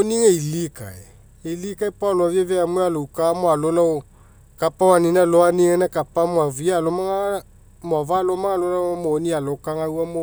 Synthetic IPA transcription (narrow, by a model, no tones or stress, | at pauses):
oniŋɛilika̰ɛ | ilikaepaloavjɛvɛamealoukamoalolao | kapawaninaloaniŋɛnɛkapamwavialomaŋa | mɔvalomaŋalolamonialokaŋauamo